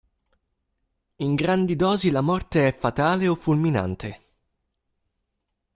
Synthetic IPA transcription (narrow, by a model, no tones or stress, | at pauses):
iŋɡɾand̪id̪ɔːzilamɔrt̪eɛfːat̪aːleofːulmina̰nt̪ʰe